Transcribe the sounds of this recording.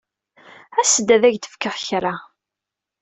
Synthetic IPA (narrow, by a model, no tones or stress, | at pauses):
æsəd̪ːæðæʝt̪ə̥fkəʁçɾa